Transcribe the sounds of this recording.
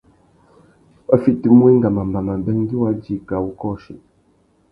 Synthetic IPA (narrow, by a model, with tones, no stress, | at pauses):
ə˦fi˦ti˦˨mwi˦ŋ˦ɡa˨ma˨mba˨ma˨m˨bɛ˦ŋ˦ɡi˦wa˦d͡ʒi˦˨ka˨wu˦kɔ˦ʃḭ˨